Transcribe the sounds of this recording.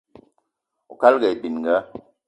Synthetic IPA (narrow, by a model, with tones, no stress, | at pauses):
ṵ˨ka˦lɡɛ˨i˨bi˨n˨ɡa˦